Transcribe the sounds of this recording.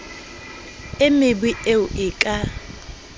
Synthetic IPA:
ɪmɪbwieʊʔɪkʼa

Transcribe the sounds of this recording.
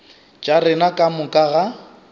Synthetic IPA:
d͡ʒʼarɪnakʼamʊkʼaɣa

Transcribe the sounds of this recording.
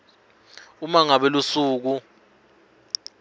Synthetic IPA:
umaŋaɓɛlusuːk̬u

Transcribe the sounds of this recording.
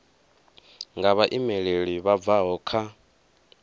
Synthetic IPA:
ŋɡaβaʔimɛɺeɺiβab̪vaɦɔkʰa

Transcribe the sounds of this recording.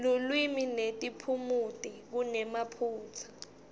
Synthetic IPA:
lulwiminetʼipʰumutʼik̬unɛmapʰuːt͡sʰḁ

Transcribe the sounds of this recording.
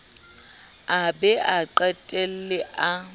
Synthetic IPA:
abɛʔaǃɛtʼɛl̩lɪʔa

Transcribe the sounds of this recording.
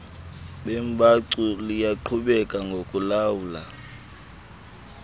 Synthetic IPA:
ɓɛmbʰʱʼaǀulijaǃʰuɓɛkʼaŋɡʱokʼulawula

